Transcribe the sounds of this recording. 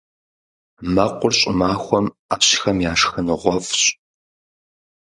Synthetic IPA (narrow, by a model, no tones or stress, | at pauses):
mɐqʷʊrɕʼɪmaːxʷɔm | aːpɕɪ̥xɐmjaːʂxɨnɨʁʷɔfɕʼ